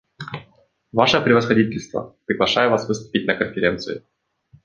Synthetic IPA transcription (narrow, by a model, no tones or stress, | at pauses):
vaʂəpɾʲɪvəsxɐdʲitʲɪlʲst̪və̰pɾʲɪɡlˠɐʂajəvasvɨst̪ʊ̥pʲɪtʲnəkənfʲɪɾʲe̞nt̪sɨɪ